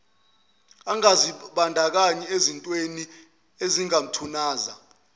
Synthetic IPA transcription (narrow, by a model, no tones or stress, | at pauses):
aŋaziɓandʱak̬aɲiezintʼweni | eziŋam̩tʰunaːza